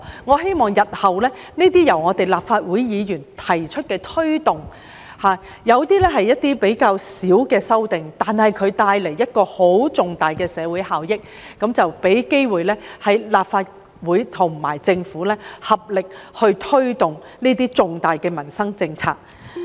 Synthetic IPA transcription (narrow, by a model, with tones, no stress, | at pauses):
ŋɔː˨˧ɦe˥jmɔː˨˩ŋjɐ˨t̚hɐ˨wlɛː˥ | niː˥t̪̬iː˥jɐ˨˩wŋɔː˨˧t̪e˨jlaː˨p̚faː˧t̚wuː˨˥jjiː˨˧jyː˨˩nt̪ʰɐ˨˩jt͡ʃʰɵ˥t̚kɛː˧t̪ʰɵ˥ɥt̪ʊ˨ŋ | haː˨ | jɐ˨˧wt̪iː˥lɛː˥ɦɐ˨jːɐ˥t̚t̪iː˥pe˨˥jkaː˧wsiː˨˥wkɛː˧sɐ˥wt̪ɪ˨ŋt̪aː˨nhɐ˨jkʰɵ˨˧ɥt̪aː˧jle˨˩jːɐ˥t̚kɔː˧ho˨˥wt͡sʊ˨ŋt̪aː˨jkɛː˧sɛː˨˧wuː˨˥jhaː˨wjɪ˥k̚ | kːɐ˨˥mt͡sɐ˨wpe˨˥jke˥jwuː˨˩jlɛː˥hɐ˨jlaː˨˩p̚faː˧t̚ | wuː˨˥jt̪ʰʊ˨˩ŋma̰ː˨˩jt͡sɪ˧ŋfuː˨˥lɛː˥hɐ˨p̚lɪ˨k̚hɵ˧ɥt̪ʰɵ˥ɥt̪ʊ˨ŋniː˥t̪iː˥t͡sʊ˨ŋt̪aː˨jkɛː˧mɐ˨˩nsɐ˥ŋt͡sɪ˧ŋt͡sʰa̰ː˧k̚